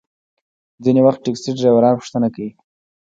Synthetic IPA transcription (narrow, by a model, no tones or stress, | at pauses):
d͡zinewaxt̪̚ʈːekstiɖɾawaɾɑnpʊ̥ʃt̪ənakawi